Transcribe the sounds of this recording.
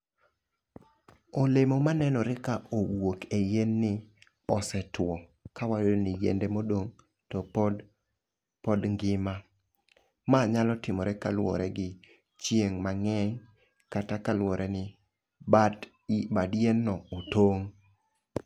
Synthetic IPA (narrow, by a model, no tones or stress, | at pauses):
olemɔmanɛnɔɾɪkaʔowokejenːɪ | ɔsɛtwɔkawaonɪjḛndemodoŋ | tɔp | pɔdŋɡɪma | maɲalɔtɪmɔɾɛkalwɔ̰ɾɛɡɪ | t͡ʃjeŋmaŋɛŋ | katakalwɔɾʔɛnɪ | badjenːɔotoŋ